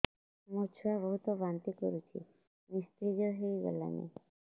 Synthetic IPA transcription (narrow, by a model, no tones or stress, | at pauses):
mot͡ʃʰuabɔɦut̪ɔbant̪ikɔɾit͡ʃʰḭ | nist̪ɾid͡ʒɔɦejɡɔ̰la̰nḛ